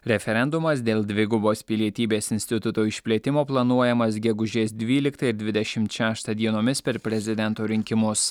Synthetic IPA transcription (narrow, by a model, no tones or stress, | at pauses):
ɾʲɛfʲɛɾʲɛnd̪ʊmɐsd̪ʲeːlˠd̪ʲʋʲɪɡʊboːspʲɪlʲiɛt̪ʲiːbʲeːsɪnʲsʲt̪ʲɪt̪ʊt̪oːɪʃʲpʲlʲiːt̪ʲɪmoːplˠɐnuɔjɛmɐs̬ɡʲɛɡʊʒʲeːsd̪ʲʋʲiːlʲɪkt̪ɐɪɾd̪ʲʋʲɪd̪ʲɛʃʲɪmt̪ʃʲæːʃt̪ɐd̪ʲiɛnoːmʲɪspʲɛɾpʲɾʲɛzʲɪd̪ʲɛnt̪oːɾʲɪŋʲkʲɪmʊs